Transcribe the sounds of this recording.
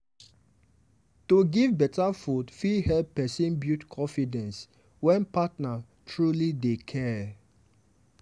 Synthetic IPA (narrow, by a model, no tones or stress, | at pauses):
tuɡivbɛtafudfihɛlpːɛsĩnbjutkʰɔ̃nfidɛ̃ns | wɛ̃npatna | tʰɹulidekʰɛ